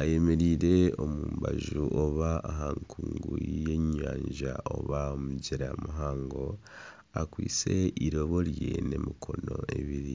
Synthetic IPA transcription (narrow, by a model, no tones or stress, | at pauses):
aje̞me̞ɾiːɾe̞o̞muːmbaʒuʔoβaːɦaŋkʰuːŋɡuje̞ɲaːɲʒaʔoβaomuɟiɾamuɦaːŋɡo̞ | akwiːt͡se̞iɾo̞βo̞ɾje̞ne̞mikʰo̞no̞e̞βiɾi